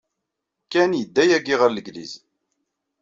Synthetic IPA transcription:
kːænjəd̪ːæjæɡiʁəɾləɡlḭz

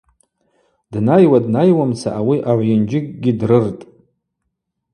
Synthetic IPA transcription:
d̥najwadnajwamt͡sʰa̰ʔawiʔaʕʷjɪnd͡ʒɪkʼɡʲɪdrɨrtʼ

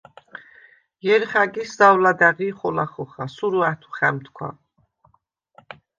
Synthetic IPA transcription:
jɛɾχaɡiszawlad̪aʁiχɔlaχɔχasuɾuat̪ʰu̥χɛmt̪ʰkʰwa̰

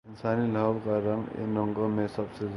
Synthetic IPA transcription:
ɪnsaːnilʌbkaɾʌŋḛnɔŋɡomesʌbse

